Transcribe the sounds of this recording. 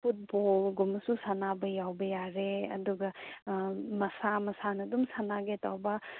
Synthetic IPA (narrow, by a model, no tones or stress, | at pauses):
pʰut̚bolɡumɐsusɐnabɐjawbɐjaɾeɐ̰duɡɐ | mɐsamɐsanɐdumsanaɡetawbɐ